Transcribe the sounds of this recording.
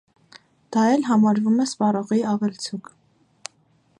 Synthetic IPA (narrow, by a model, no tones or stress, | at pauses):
d̪̥ɑjɛlɦɑmɑɾvumɛspɑrɔʁiɑvɛlt͡sʰuk